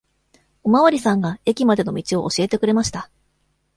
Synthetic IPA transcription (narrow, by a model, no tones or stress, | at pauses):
o̞maβaɾʲisãŋɡae̞kʲimad̪e̞no̞mʲit͡ɕio̞ʔːɕie̞t̪e̞kɯ̟ɾe̞maɕi̥t̪a